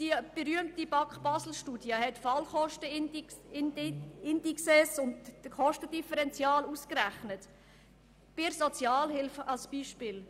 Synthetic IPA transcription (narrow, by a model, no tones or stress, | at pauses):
d̥ib̥əɾyəmtib̥ɑkχb̥ɑsl̩ʃtuːdjəhɛtfɑlχɔʃtə | ɪndiksɛsʊntχɔʃtəd̥ifəɾɛnt͡sjɑːluskɾæχnət | b̥ɪɾsɔt͡sjɑːlhɪlfɑlsb̥iːʃpɪːl